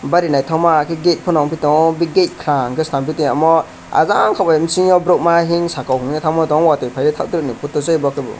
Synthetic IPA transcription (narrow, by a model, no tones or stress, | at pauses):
baɾinajtʰawmakʰiɡet̚pʰɔnɔŋpʰitɔŋbiɡet̚kʰɾaŋkʰɯstampitiŋamɔ | a̰zaŋkʰawbajimsiŋɔbɾɔk̚maɦiŋsakawhɯŋitʰamatɔŋwatɔjpʰajɾitʰap̚tɾɯk̚nipʰutːɔzɯjbɔkʰɯbɔ̰